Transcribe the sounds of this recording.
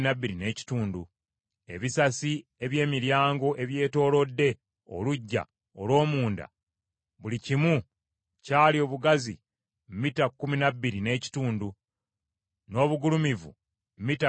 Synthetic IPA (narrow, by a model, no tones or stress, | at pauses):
nabːiɾine̞ːci̥tuːndu | e̞βisasie̞βje̞ːmiɾjaːŋɡo̞ʔe̞βje̞ːto̞ːlo̞dːe̞ | o̰luɟːa̰ | olwo̞ːmuːnda̰ | βulicimu | caːlio̞ːβuɡazḭ | mmitakːuminabːiɾine̞ːci̥tuːndu | no̞ːβuɡulumivṵ | m̩mːita